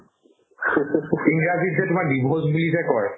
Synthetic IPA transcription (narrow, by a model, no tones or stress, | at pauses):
iŋɡɹazitzɛtʊmaɹdibʱozbulizɛkɔɹ